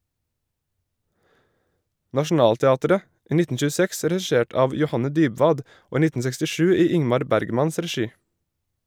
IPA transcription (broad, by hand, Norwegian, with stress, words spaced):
nɑʃn̩ˈɑːltɛˌɑːtəɾə ˈiː ˈnɪtn̩ ʃʉːˈsɛks dɾɛˈʃeːʈ ˈɑːʋ jʊˈhɑnə ˈdyːbʋɑːd ˈoː ˈiː ˈnɪtn̩ sɛkstɪˈʃʉː ˈiː ˈɪŋmɑɾ ˈbæɾɡmɑns dɾɛˈʃiː